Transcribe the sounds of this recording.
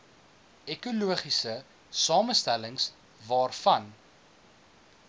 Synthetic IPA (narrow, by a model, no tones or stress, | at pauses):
ekuluəχisə | sɑːməstæləŋs | vɑːrfɐn